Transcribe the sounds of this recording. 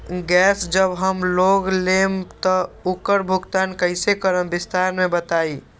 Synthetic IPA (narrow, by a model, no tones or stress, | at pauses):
ɡɛːsd͡ʒəbɦəmloːɡlemt̪əʊkəɾbʱʊɡt̪aːnkəɪsekəɾəmbɪst̪aɾmẽbət̪aːi